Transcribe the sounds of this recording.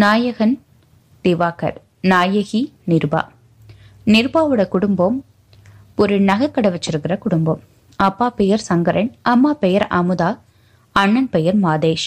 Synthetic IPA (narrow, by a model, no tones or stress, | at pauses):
naːjɐɣɐn | d̪̥ɪʋaːkɐ̰ɾ | naːjɐɣinɪɾba̰ː | nɪɾbaːʋɯɽɐkʊɽɯmbɐm | pɔɾɯnɐɣɐkːɐɽɐʋɐt͡ʃːɪɾɯkːɪrɐkʊɽʊmbɐm | ɐpːaːpɛjɐɾsɐŋɡɐɾʔɐnʔɐmːaːpɛjɐɾɐ̰mɯðaː | ɐɳːɐnpɛjɐɾmaːðeːʃ